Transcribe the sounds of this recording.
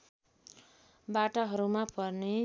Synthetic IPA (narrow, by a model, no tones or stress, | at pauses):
baʈaɦʌɾumapʌrne